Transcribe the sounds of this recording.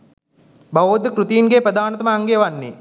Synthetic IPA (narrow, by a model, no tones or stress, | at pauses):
bɐʋoːd̪əkɾut̪ijinɡepɾəd̪aːnɐt̪ɐməaŋɡeʋanːe